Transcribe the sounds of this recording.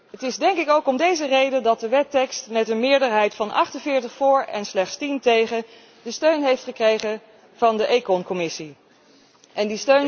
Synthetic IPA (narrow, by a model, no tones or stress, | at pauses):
ɦətɪzdɛŋkɪkowkɔmdejzərejdəndɑt̚dəʋɛtɛkstmɛtənmɪːɹdəɹɦɛjtfɑnʔɑ̰χtənvɪːɹtəχfʊːɹɛ̰nslɛχtstintejχə | dəstøɥnɦejftχəkrejχə | v̥ɑndəʔejkɔnkɔmɪsi | ʔɛndistøɥn